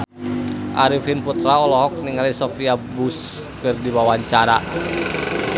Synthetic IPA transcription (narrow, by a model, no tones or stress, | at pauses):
ʔa̰ɾifinput̪ɾaɔlɔɦɔk̚niŋalisɔfiabus | kɨrdiwawaɲt͡ʃaɾa